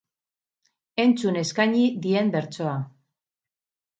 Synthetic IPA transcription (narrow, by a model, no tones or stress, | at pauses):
e̞nt͡sune̞skaɲiðie̞mbe̞ɾt͡so̞a